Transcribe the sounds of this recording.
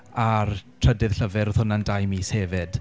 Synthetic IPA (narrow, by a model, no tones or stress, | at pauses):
artʰr̥ədɪðɬəvɛɾɔðhʊnandajmiːseːvɪd̥